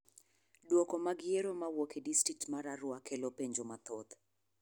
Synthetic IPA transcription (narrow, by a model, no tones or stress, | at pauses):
dwokɔmaɡɪjeɾomawokʰedistɾik̚tmaɾaɾwakʰelopeɲd͡ʒomat̪ot̪